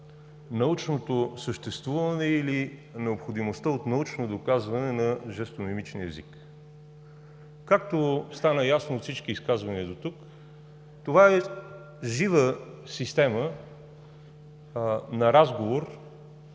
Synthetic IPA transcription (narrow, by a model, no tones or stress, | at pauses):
nɐut͡ʃnot̪osəʃt̪ɛst̪vuvənɛilinɛopxod̪imost̪əot̪nɐut͡ʃnod̪okazvɐnɛnɐʒɛst̪onimit͡ʃniɛ̰zik | kak̚t̪ost̪anəjasnoːt̪sit͡ʃkiːskazvɐniəd̪ot̪uk | t̪ovaɛ | ʒivəsist̪ɛmə | nɐɾazɡovoɾ